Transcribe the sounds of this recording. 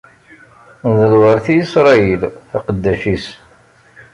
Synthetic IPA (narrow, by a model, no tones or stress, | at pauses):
nðəlwəɾθijisɾˤɑjəlθɑqəd̪ːæʃis